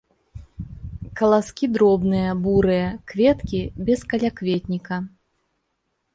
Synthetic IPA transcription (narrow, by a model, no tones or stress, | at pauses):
kɐlˠaskʲid̪ɾɔbnɨjɐbuɾɨjɐkvʲɛt̪kʲibʲɛskɐlʲakvʲet̪ʲnʲikɐ